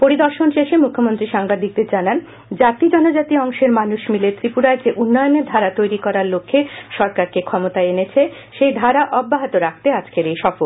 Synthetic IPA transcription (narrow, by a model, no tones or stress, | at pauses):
poɾid̪ɔɾʃonʃeʃemukʰːomont̪ɾiʃaŋbad̪ʱik̚d̪eɾd͡ʑanan | d͡ʑat̪id͡ʑɔnod͡ʑat̪iɔŋʃeɾmanuʃmilet̪ɾipuɾaed͡ʑeʔunːɔjoneɾd̪ʱaɾat̪ojɾikɔɾaɾlokʰːeʃɔɾkaɾkekʰɔmot̪aeenet͡ɕʰe | ʃejd̪ʱaɾaʔɔbːaɦat̪oɾak̚ʰt̪ead͡ʑkeɾejʃɔfoɾ